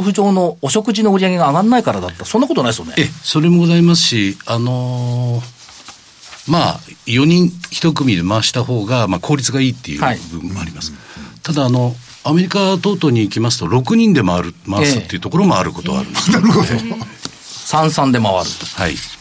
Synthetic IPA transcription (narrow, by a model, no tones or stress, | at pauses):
ɸɯ̟ʑo̞ːnoːɕo̞kɯ̟ʑino̞ɯ̟ɾʲijaɡe̞ɡaːɡãnːaikaɾad̪at̪ːasõ̞nːakot̪o̞naisjoneeso̞ɾe̞mo̞ɡo̞zaimasɨ̥ɕiano̞ | majo̞ɲ̟ĩɰ̃çi̥t̪o̞k̬ɯ̟mʲid̪emaβaɕi̥t̪aho̞ːɡamakʰo̞ːɾʲit͡sɨɡaiːt̪ːe̞jɯ̟ibɯ̟̃mːoa̰ɾʲimasɨ̥t̪ad̪aːno̞ | ame̞ɾʲikat̪o̞ːt̪o̞ːɲ̟iːkʲimasɨ̥t̪o̞ɾo̞kɯ̟ɲ̟ĩnd̪e̞maɾɯ̟maasɨt̪ːeɯ̟t̪o̞ko̞ɾo̞mo̞aɾɯ̟ko̞t̪o̞βa̰ɾɯ̟nesɾɯo | sãɰ̃sãnd̪e̞maβa̰ɾɯ̟̰ha̰ḭ